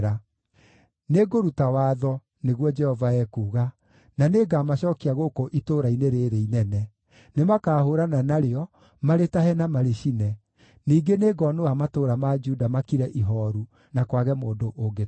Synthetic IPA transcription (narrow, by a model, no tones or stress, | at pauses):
ɾa | neɡoɾutawaːðɔ | neɣwɔd͡ʒɛhɔvaɛkuːɣa | naneːɡamaɕɔkiaɣokoʔitoːɾaineɾeːɾeinɛnɛ | nemakaːhoɾananaɾeɔ | maɾetaɦɛnamaɾeɕinɛ | niːɡeneːɡɔnoamatoːɾamad͡ʒuːdamakiɾɛʔiɦɔɾu | nakwaɣɛmoːndoʔoɡe